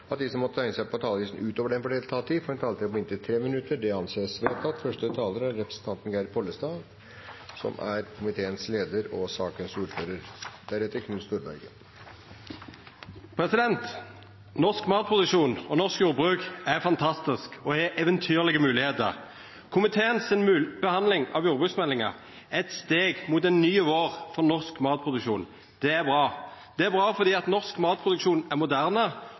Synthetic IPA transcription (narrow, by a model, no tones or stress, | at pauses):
ɑt̪̚d̪iːsɔmːɔt̪ːət̪ʰæɪnəsæɪpɔt̪ʰɑːləʋiːsn̩ʉːt̪oːʋəɖɛnfɔɖɛɪlt̪ʰɑːt̪ʰiːfɔɾɛnt̪ʰɑːlət̪ʰɛpɔmɪnt̪ʰɪt̪ʰɾeːmɪnʉt̪ːəɖɛɑnseːsʋeːt̪ʰɑt̪fœʂʈət̪ʰɑːləɾæɾːɛpɾəsən̩t̪ʰɑnt̪ənɡæɪɾpʰɔlːəst̪ɑːd̪ | sɔ̰mæ̰ɾkʰʊmɪt̪ʰeːənsleːd̪əɾɔsɑːkənsuːɾføːɾəɾd̪æɾɛt̪ːəkʰnʉnst̪uːɾbæ̰ɾɡə | pʰɾɛsɪd̪ɛnt̪ | nɔʁskmɑːt̪̚pʰʁʊd̪ʉkʂuːnɔnɔʁskjuːʁɾbʁʉːkæfɑnt̪ʰɑst̪ɪskɔhɛʔɛʋənt̪ʰyːʁlɪɡəmʉːlɪheːt̪ə̰ʁ | kʰʊmɪt̪ʰeːənsɪnʉbəhɑnd̪lɪŋɑ̰ʋjuːɾbʁʉksmɛlːɪŋɑ̰ʁ | ɛɛt̪st̪eːɡmut̪ɛnːyːəʋoːʁfɔʁnɔʁskmɑːt̪̚pʰʁʊd̪ʉkʃuːn | d̪̥ɛæbʁɑːd̪̥ɛæbʁɑːfɔʁd̪iːɑt̪nɔʁskmɑːt̪̚pʰʁʊd̪ʉkʃuːnæʁmʊd̪æʁnə